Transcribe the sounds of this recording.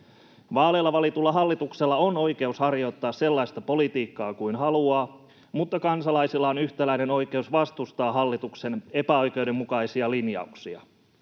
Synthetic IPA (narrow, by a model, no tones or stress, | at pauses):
ʋɑːlelːɑʋɑlit̪ulːɑɦɑlːit̪ukselːɑono̞ijke̞ushɑrjo̞t̪ːɑːsse̞lːɑjst̪ɑpo̞lit̪iːkːɑːkuinɦɑluɑː | mut̪ːɑkɑnsɑlɑjsilːɑonyçt̪ælæineno̞jk̟e̞usʋɑst̪ust̪ɑːɦɑlːit̪ukse̞ne̞pæo̞jke̞wde̞mmukɑisiɑlinjɑ̰uksiɑ̰